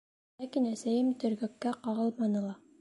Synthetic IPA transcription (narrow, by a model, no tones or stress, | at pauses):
lækinæsæjɘmt̪ɵ̆ɾɡɵ̆kːæqɑʁɤlˠmɑnɤ̆lˠɑ